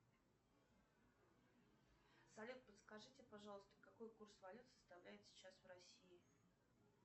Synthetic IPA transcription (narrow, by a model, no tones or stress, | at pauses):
sɐlʲut̪̚pət̪skɐʐɨtʲɪpɐʐɑlˠəst̪ə̥kɐkojkursvɐlʲut̪sə̥st̪ɐvlʲæjɪt̪sʲɪ̥t͡ɕasvrɐsʲiɪ